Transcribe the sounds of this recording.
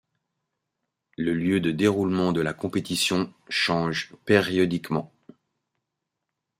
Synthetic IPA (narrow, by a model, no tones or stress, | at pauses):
ləljød̪əd̪eʁulmɑ̃d̪əlakɔ̃pet̪isjɔ̃ʃɑ̃ʒpeʁjɔd̪ikmɑ̃